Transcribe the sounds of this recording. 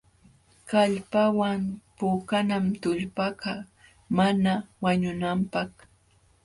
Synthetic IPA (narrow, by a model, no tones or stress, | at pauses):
kaʎpawaŋpʊkanamt̪ʊʎpaka | manawaɲʊnampɑχ